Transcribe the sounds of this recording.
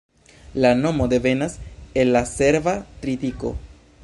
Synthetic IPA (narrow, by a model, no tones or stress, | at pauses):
lanomod̪eβenasenːaseɾvat̪ɾit̪iko̰